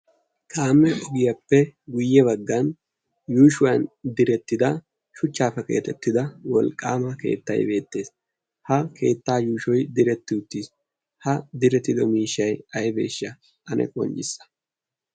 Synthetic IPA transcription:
kʰʼaːmːɛʔɔɡɪjɐpːɛɡʊjːɛβɐɡːɐn | juːʃʊwɐnd̪ɪɾɛt̪ːɪd̪ɐ | ʃʊt͡ʃːaːfːɛke̞̰ːt̪ɛt̪ːɪd̪ɐwɔlkʼːaːmɐke̞̰ːt̪ːɐ̰jbe̞ːt̪ːe̞ːs | hɐkʰe̞ːt̪ːaːjuːʃɔjd̪ɪɾɛt̪ːɪʊt̪ːis | hɐd̪ɪɾɛt̪ːɪd̪ɔmiːʃːɐjɐjbe̞̰ːʃːɐ | ʔɐnʔɛ̰kʼɔ̰nt͡ʃʼɪsːɐ̥

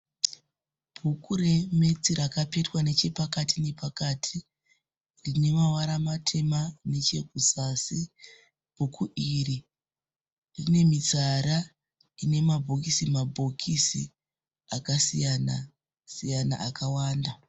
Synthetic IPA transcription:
b̥ʱukure̞me̞t͡siɾakape̞twane̞t͡ʃe̞pakatʰine̞pakaːtʰi | rine̞mawaɾamatʰe̞mane̞t͡ʃe̞ɡʱusasi | b̥ʱukʰuʔiːri | rine̞mit͡saɾa | ine̞mabʱo̞kisimabʱo̞kʰisi | akasijana | sijana̰ʔakawaːnda

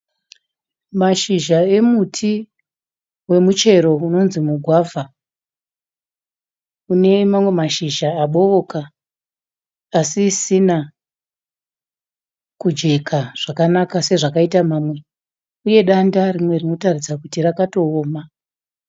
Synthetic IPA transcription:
maʃiʒae̞mutʰi | we̞mut͡ʃe̞ɾo̞uno̞nzimuɡʱwaːvʱa | une̞mamwe̞maʃiʒaːɓo̞ʋo̞ka | sisina | kud͡ʒe̞kʰaʐ̥akanakase̞ʐakaitamaːmwe̞ | uje̞ɗandarimwe̞rino̞tarid͡zakutirakato̞oːma

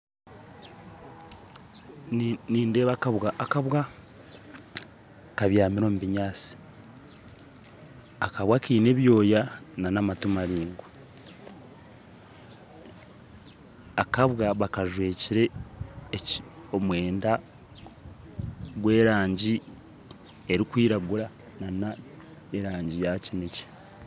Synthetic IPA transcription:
niːnde̞ːβakaβwaakaβwa | kaβjaːmiɾo̞muβiɲaːt͡si̥ | akaβwakiːne̞βjo̞ːjananamatumaɾiːŋɡu | akaβwaβakaʒwe̞ːciɾe̞ː | o̞mwe̞ːnda | ɡwe̞ːɾaːɲɟi | eɾikwiːɾaɡuɾa | nana | eɾaːɲɟijacinice̥

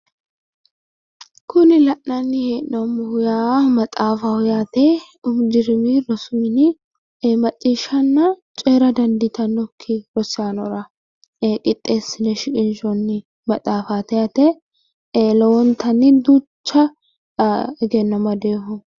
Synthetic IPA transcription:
kʊnɪlɐʔnɐnːɪheːʔnɔmʊhʊjaːmɐt̪ʼaːfɐhʊjaːt̪ɛ | ʊmd͡ʒɪɾɪmiɾɔsʊmɪnɪ | mɐt̪ʼːiːʃɐnːɐt͡ʃʼeːɾɐd̪ɐnd̪ɪt̪ɐnːɔkʰːɪɾɔsaːnɔɾɐ | kʼɪt̪ʼːe̞ːsːɪnɛʃɪkʼɪnʃɔnːɪ | mɐt̪ʼaːfaːt̪ɛjat̪ɛ | lɛwɔnt̪ɐnːɪd̪ut͡ʃːɐ | ɡɛnːɐmɐd̪e̞ːhʊ

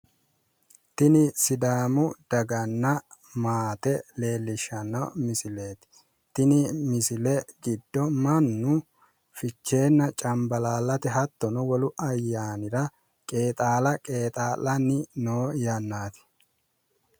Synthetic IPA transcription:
t̪ɪnɪsɪd̪aːmʊd̪̥ɐɡɐnːɐmaːt̪ɛle̞ːlːɪʃːɐnːɐ̰mɪsɪle̞ːt̪ɪ̥ | t̪ɪnɪmɪsɪlɛɡɪd̪ːɔmɐnːʊ | fɪt͡ʃːe̞ːnːɐt͡ʃʼɐmbɐlaːlːɐt̪ɛɦɐt̪ːɔnʊwɔlʊʔɐjːaːnɪɾɐ | kʼe̞ːt̪ʼaːlɐkʼe̞ːt̪ʼaːlːɐnːɪnoːjɐnːaːt̪ɪ̥

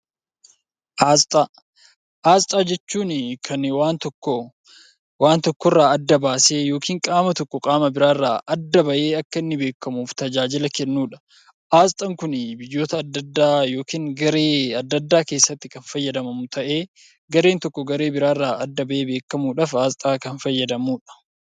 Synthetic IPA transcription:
ʔaːzt̪ʼa | ʔaːst̪ʼaːd͡ʒɛt͡ʃːuːnkʰɐnwaːnt̪kːɔ | waːnt̪ɔkːɔrːaːɐd̪ːɐbaːse̞ːjo̞ːkiːŋkʼaːmɐt̪ɔkːɔkʼaːmɐbɪɾaːrːaːʔɐd̪ːɐbɐʔe̞ːɐkːɐɪnːɪbe̞ːkːɐmuːft̪ɐd͡ʒaːd͡ʒɪlɐkɛnːuːᶑɐ̥ | ʔaːst̪ʼɐŋkʊnɪbɪjːo̞ːt̪ɐd̪ːɐd̪ːaːjo̞ːkiːŋɡɐɾeːɐd̪ːɐd̪ːaːke̞ːsːɐt̪ːɪkɐnfɐjːɐd̪ɐmɐmʊt̪ʰɐʔe̞ː | ɡɐɾe̞ːnt̪ɔkːɔɡɐɾe̞ːbɪɾaːrːaːʔɐd̪ːɐbɐʔe̞ːbe̞ːkːɐmuːᶑɐafaːst̪ʼaːkɐnfɐjːɐd̪ɐmuːᶑɐ̥

